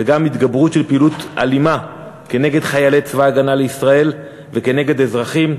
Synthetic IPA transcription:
eɡamit̪ɡabʁutʃe̞lpiːlut̪ʔa̰lima | ke̞ne̞ɡe̞d̪χajalet͡svaːɡanaleisʁae̞l | veke̞ne̞ɡe̞d̪ezʁaχim

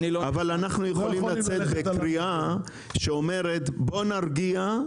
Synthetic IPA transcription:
avalanaχnujeχolimlat͡set̪̚be̞kʁia | ʃeome̞ʁe̞t̪bo̞naʁɡia

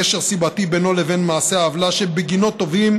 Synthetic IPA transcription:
eʃeʁsibat̪ibeno̞leve̞nmaːse̞aːvlaʃebeɡino̞t̪ːo̞vim

